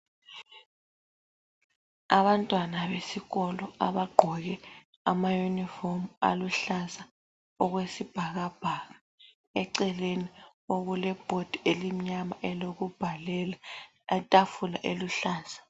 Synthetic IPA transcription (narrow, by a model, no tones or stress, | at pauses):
aβantʼwanaβesiɣɔlɔaβaɡ͡ǃʱɔɣ̬ɛ | amajunifomua̰luɬaza | ɔɣwesib̥ʱaɣab̥ʱaɣa | ɛǀɛleni | oɣulɛb̥ʱod̥ʱielim̩ɲamaʔɛloɣub̥ʱalɛla | ɛtʼafula̰ʔeluɬaːsḁ